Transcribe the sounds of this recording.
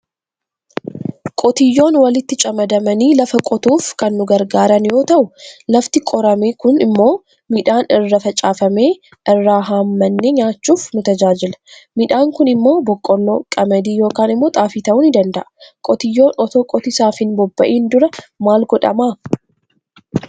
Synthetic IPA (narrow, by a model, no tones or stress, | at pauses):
kʼɔt̪ɪjːo̞ːnwɐlɪt̪ːɪt͡ʃʼɐmɐd̪ɐmɐniːlɐfɐkʼɔt̪uːfkɐnːʊɡɐɾɡaːɾɐnjo̞ːt̪ɐʔʊlɐft̪ɪkʼɔɾɐmeːkʊnɪmːo̞ː | miᶑaːnɪrːɐfɐt͡ʃʼaːfɐme̞ː | ʔɪrːaːɦaːmːɐnːeɲaːt͡ʃːuːfnʊt̪ɐd͡ʒaːd͡ʒɪlɐ̥mɪᶑaːŋkʊnɪmːo̞ːbɔkʼːɔnːo̰ːkʼɐmɐd̪iːjo̞ːkaːnɪmːo̞ːt̪ʼaːfiːt̪ɐʔʊnɪd̪ɐnd̪ɐʔɐ̥kʼɔt̪ɪjːo̞ːnʔɔt̪oːkʼɔt̪ɪsaːfɪnbɔbːɐʔiːnd̪ʊɾɐmaːlɡɔᶑɐ̰maː